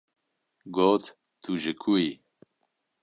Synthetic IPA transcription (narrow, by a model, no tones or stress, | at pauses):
ɡoːt̪ | t̪ʰuʒɨkʰui